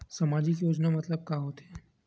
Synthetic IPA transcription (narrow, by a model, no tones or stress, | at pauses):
sɐmaːd͡ʒɪkjoːd͡ʒnamɐt̪ləb̚kaɦoːt̪ɦɛ̃